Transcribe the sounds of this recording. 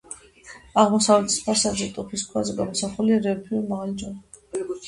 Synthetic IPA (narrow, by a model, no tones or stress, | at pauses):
aʁmɔsavɛt̪ʰi̥spʰasad̪zɛt̪ʼupʰiskʰwazɛɡamɔsaχuliɾɛɔpʰiuɾmaʁald͡ʒɔn